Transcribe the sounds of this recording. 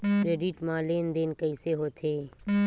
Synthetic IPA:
kɾeːɖɪʈmãːleːnd̪enkəiseɦoːt̪ʰeː

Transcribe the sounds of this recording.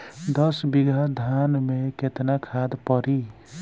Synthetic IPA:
d̪ʌsbiɡʱad̪ʱanmeket̪nakʰad̪pəɾi

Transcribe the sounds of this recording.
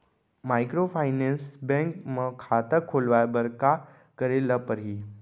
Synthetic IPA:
majkɾofajnẽnsbɛ̃ŋkməkʰat̪əkʰːolʋajbəɾka | kəɾeləpəɾɦiː

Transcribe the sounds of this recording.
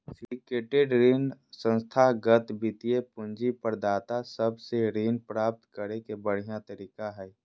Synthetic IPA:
swikeːʈeɖɾiːnsə̃nst̪ʰaːɦɡət̪bɪt̪ijepʊ̃nd͡ʒipəɾd̪aːt̪asəbseɾiːnpɾaːp̚t̪kəɾekebəɽ̤ijat̪əɾiːkaɦɛː

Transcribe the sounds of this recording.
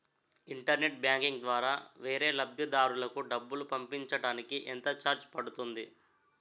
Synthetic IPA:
iɳʈɐɾneʈ̚bjaːŋkiŋɡd̪ʋaːɾaːʋe̞ːɾe̞ːlɐb̚d̪ʱid̪aːɾulɐkuɖɐbːulupɐmpiɲt͡ʃɐɽaːnikiʔɛnt̪ɐt͡ʃaːɾt͡ʃpɐɽut̪und̪i

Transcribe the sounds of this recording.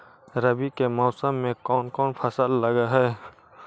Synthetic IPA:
ɾəbikemɔːsəmːẽkɔːnkɔːnpʰəsəlːəɡaɦɛː

